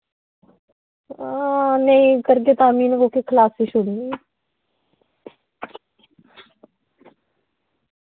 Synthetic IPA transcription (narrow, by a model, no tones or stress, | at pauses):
neĩːkəɾɡeːt̪aːmiːnkoːkekʰəlaːsiʃoɽiː